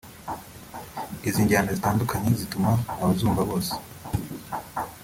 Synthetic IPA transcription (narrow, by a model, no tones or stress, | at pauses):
iziːɲɟaːndazitaːndukʰaɲe̞zitumanaβazuːmvaβo̞ːse̥